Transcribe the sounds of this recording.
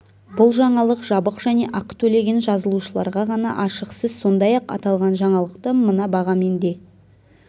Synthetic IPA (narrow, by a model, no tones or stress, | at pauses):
bʊlˠʒɑɴɑlˠəqʒɑbəqʒæne̞ʔɑqt̪ʰɵle̞ɡʲe̞nʒɑzəlˠuʃəlˠɑɾʁɑʁɑnɑ̰ʔɑʃəqsəzso̞nd̪ɑjɑqɑ̰t̪ɑlˠʁɑnʒɑɴɑlˠəqt̪əmənɑbɑʁɑme̞nd̪e̞